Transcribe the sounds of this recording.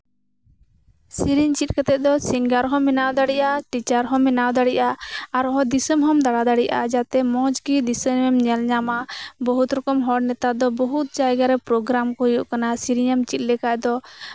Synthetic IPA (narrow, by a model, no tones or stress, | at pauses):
siɾiɲt͡ʃit̪̚kat̪ɛʔ̪̚ˀd̪ɔsiŋɡaɾɦɔ̃mɛnawd̪aɽiʔaʈit͡ʃaɾɦɔ̃mɛnawd̪aɽiʔaaɾɔɦɔ̃d̪isɔmɦɔmd̪aɽad̪aɽiʔad͡ʒat̪ɛmɔ̃d͡ʒɡid̪isəɛmɲɛlɲamabɔɦut̪ɾɔkɔmɦɔɽnɛt̪ad̪ɔbɔɦut̪̚d͡ʒajɡaɾɛpɾɔɡɾamkɔjuʔkanasiɾiɲɛmt͡ʃit̪̚ˀlɛkaʔd̪ɔ